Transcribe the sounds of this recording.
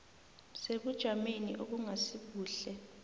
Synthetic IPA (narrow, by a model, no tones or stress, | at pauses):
seɓud̥ʒ̥ʱamenḭʔok̬uŋasiɓuːɬɛ